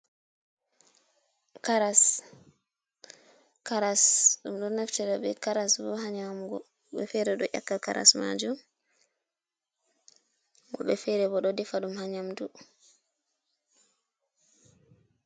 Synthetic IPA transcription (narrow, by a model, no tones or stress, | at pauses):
kaɾas | kaɾasɗumɗɔnaftɛɗɔɓɛkaɾasbɔɦaɲamɡɔ | ɓɛ̰fɛɾɛɗɔ̰ʔa̰kːaka̰ɾʔa̰sma̰d͡ʒum | ɡɔ̰ɓɛfɛɾɛbɔɗɔdɛfaɗumhaɲamdu